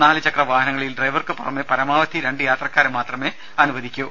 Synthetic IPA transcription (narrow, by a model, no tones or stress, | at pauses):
naːlɨt͡ɕɐkrɐʋaːɦɐnɐŋːɐɭilɖrɐjʋɐrkɨpurɐmːepɐɾɐmaːʋɐt̪ʰːiɾe̞ɳɖɨjaːt̪rɐkːaːɾmaːt̪rɐme̞ | ɐnuʋɐd̪ʱikʲːu